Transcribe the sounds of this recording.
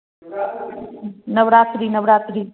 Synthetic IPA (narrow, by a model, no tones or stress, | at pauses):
nɐʋɾaːt̪ɾiːnəʋɾaːt̪ɾi